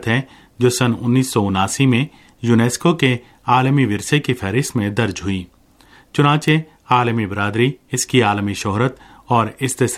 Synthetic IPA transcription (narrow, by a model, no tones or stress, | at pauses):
t̪ɦɛ | d͡ʒoːsɐnʊnːiːsːɔʊnaːsimẽ | juːneːskoke | aːlmiʋɪɾsekifʰɛːɾɪst̪mẽd̪ɐɾd͡ʒɦʊiː | t͡ʃʊnãːt͡ʃe | aːlmibɾaːd̪ɾiɪskiaːlmiʃɔɦɾət̪ | ɔːɾɪst̪ɪs